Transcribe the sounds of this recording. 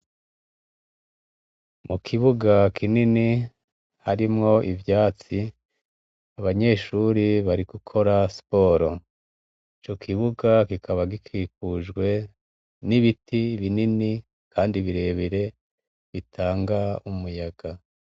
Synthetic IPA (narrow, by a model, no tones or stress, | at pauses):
mukʰiβuɡakʰinini | haɾimŋo̞ʔivjaːt͡si | aβaɲe̞ʃuɾiβaɾiɡ̥ukʰo̞ɾaspo̞ːɾo̞ | it͡ʃo̞kʰiβuɡakikʰaβaɡikʰiːk̚uʒɡwe̞ | niβitiβinini | kʰaːndiβiɾe̞βiɾe̞ | βitʰaːŋɡaumujaɡ̥a